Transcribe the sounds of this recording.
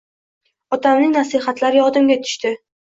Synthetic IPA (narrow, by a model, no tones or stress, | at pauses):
ɒt̪ʰamnɪŋʲnasiɦat̪ʰlaɾjɒd̪ɪmɡʲat̪ʰʊ̥ʃt̪ɪ